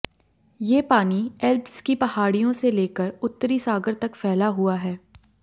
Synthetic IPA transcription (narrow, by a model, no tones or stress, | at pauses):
jeːpaːniɛlbskipɐhaːɽijõseleːkəɾʊt̪ːəɾisaːɡəɾt̪ɐkfɛːlaɦuaɦɛː